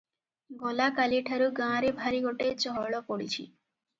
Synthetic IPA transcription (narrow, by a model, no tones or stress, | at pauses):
ɡɔlakaliʈʰaɾuɡãːɾibʱaɾiɡoʈet͡ɕɔɦɔɭɔpoɽit͡ɕʰḭ